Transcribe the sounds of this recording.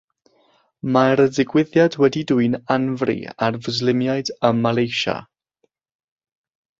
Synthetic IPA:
maɾədɪɡwɪðjadwɛdiduɨnanvrḭarvəzlɪmjaɨdəmːalˠejʃa̰

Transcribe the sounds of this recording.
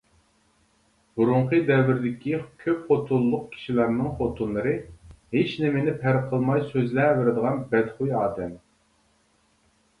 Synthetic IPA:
b̥uɾuɴqʰəd̪ɛvːɪɾɪd̪ɪkʲʰikʲʰøpχot̪ʰulˠːʊq̚kʲʰi̥ʃilæɾnɨŋχot̪ʰunlˠɨɾɨhet͡ʃnɪmɪnɪpʰæɾqʰəlˠmɑjsøzlævɪɾɪd̪əʁɑnbɛd̪χujɑːd̪ɛm

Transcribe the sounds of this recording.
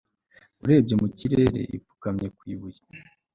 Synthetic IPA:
uɾe̞ːbɟomuciɾe̞ɾe̞̰ʔḭvu̥kamɲekwiːβuje̥

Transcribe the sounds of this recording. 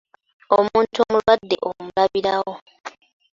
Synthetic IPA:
omuːntuomulwadːe̞̰ʔomulaβiɾawo̞

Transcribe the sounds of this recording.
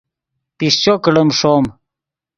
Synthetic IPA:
pist͡ɕokɽəmʂom

